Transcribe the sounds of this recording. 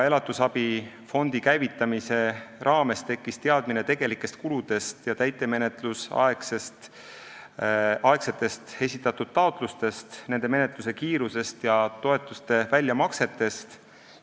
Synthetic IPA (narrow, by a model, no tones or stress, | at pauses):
e̞lɑt̪ːˑusɑbi | fo̞nd̪ikæjvit̪ːˑɑmise̞ɾʔɑːme̞st̪e̞kːist̪e̞ɑd̪̥mine̞t̪e̞ɡ̥e̞likːˑe̞st̪̚kulud̪̥e̞st̪jɑt̪æjt̪ˑːe̞me̞net̪ˑlusɑ̰eksest̪ | ɑe̞kse̞t̪ːˑe̞st̪e̞sʲit̪ːˑɑt̪ːˑud̪̥̚t̪ɑot̪ˑlust̪e̞st̪ne̞nd̪̥e̞me̞net̪luse̞kiːɾuse̞st̪jɑt̪o̞e̞t̪ːˑust̪e̞vælʲjɑmɑkse̞t̪ːˑe̞st̪